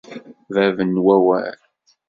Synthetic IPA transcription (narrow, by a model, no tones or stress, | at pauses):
vævənwæwæ̰l